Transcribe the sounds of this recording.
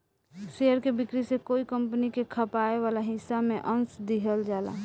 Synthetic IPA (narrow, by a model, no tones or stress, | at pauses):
ʃeəɾkebɪkɾisekoːikəmpənikekʰəpaeʋaːlaɦɪsːamẽʔənsd̪iɦəld͡ʒaːla̰